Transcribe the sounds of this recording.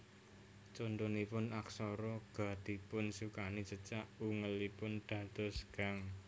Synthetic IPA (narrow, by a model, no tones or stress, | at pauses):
t͡ʃond̪unipʊnaksɔɾɔɡ̥a̤d̪̥i̤pʊnsukanit͡ʃət͡ʃaʔuŋəlipʊnd̪̥ä̤d̪̥ɔ̤sɡ̥aŋ